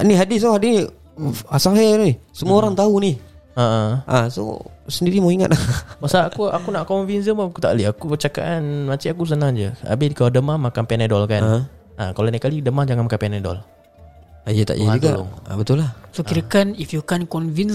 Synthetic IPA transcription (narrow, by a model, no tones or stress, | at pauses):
niɦadɪs̬oɦadini | asaɦenisəmuaoɾaŋt̪auniaʔəʔaso̰səndiɾimaiŋa̰t̪̚lamasaakuakunaʔkɔnvinəmaakut̪a̰ʔliakubət͡ʃaka̰ʔanmat͡ʃiakus̬ənaŋd͡ʒəa̰bɪdikaladəmahmakanpɛnedɔlkan | akalonakalidəmahd͡ʒaŋanmakapɛnedɔ̰l | ajət̪a̰ʔjəd͡ʒuɡa̰ṵŋ̰bət̪ulahsokiɾakanifjukankɔnvin